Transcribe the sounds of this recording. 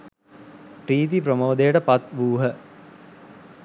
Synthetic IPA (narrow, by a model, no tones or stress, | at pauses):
pɾiːt̪ipɾomoːd̪ejəʈəpat̪ʋuːɦə